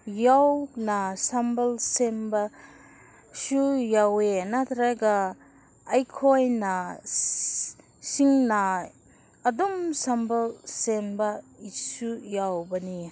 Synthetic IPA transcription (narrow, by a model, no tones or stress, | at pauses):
jawnasambɐlsemba | sujawenat̪ʰɾaɡaː | jkʰojna | siŋnaː | dɔmsambɐlsembɐisujawbɐni